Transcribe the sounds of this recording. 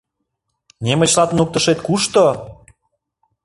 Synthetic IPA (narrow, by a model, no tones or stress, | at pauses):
nʲemə̆t͡ɕlɑt̪nuk̚t̪əʃet̪kuʃt̪o